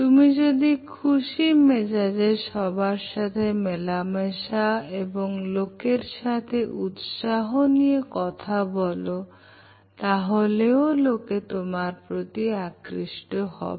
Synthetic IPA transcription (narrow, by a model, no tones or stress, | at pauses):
t̪umid͡ʑod̪ikʰuʃimesad͡ʑeʃɔbʱaɾʃat̪ʰemelameʃaeboŋlokeɾʃat̪ʰeʔut̪ʃaɦonijekɔt̪ʰabɔlo | t̪aɦoleoloket̪omaɾpɾot̪iakɾiʃʈohɔ̰be